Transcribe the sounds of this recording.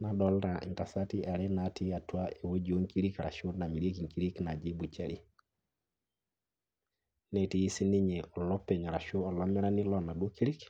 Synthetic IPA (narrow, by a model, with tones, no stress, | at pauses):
na˨ɗɔlɾa˨ʔḭ˨ŋta˨sa˦ti˦ʔa˨ɾɛ˦nati˦a˨tu˦a˦e˨wo˦d͡ʒo˦ŋki˦ɾi˦kɾa̰˨ʃo˦na˨mi˨ɾe˦ki˨ŋki˦ɾi˦kna˨d͡ʒi˦bu˨t͡ʃa˦ɾi˦ | nɛ˨ti˨ji˦si˦ni˦ɲɛ˨ʔɔ˨lɔ˦pːe˨ɲa˨ɾa˨ʃo˦ɔ˨lɔ˦mi˦ɾa˦ni˦lɔ˦na˨ɗu˦o˦ki˦ɾi˦k